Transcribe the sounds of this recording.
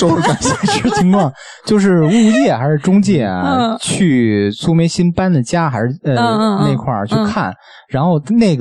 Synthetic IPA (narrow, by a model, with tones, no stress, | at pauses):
a˧˩ɕa˥˩ʂ̩˥˩t̪ʰi˧˥ŋkʰwɑ˥˩ŋ | t͡ɕjo˥˧ʊʂ̬ɻ̩˥˧u˥˧t͡ɕjɛ˥˩xa˧˥ɪʂɻ̩˥˧ʈ͡ʂʊ˥ŋt͡ɕjɛ˥˩ɐ̰˩t͡ɕʰy˥˩t͡sʰu˥me˧˥ɪɕi˥npa˥nd̪ə˨t͡ɕja˥xa˧˥ɪʂɻ̩˥˧ə˧ne˥˧ɪ˧kʰwa̰˥˩t͡ɕʰy˥˧˩kʰa̰˥˩n | ɻa˧˥nxo˥˧ʊne˥˩ɪɡ